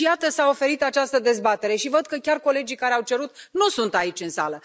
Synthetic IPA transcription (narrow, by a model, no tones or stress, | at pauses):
ijat̪əsao̞fe̞ɾit̪at͡ʃast̪əd̪e̞zbat̪e̞ɾe̞ʃivəd̪̚kəkʲarko̞le̞d͡ʒikaɾeawt͡ʃe̞ɾut̪nusunt̪ait͡ʃʲɨnsa̰lə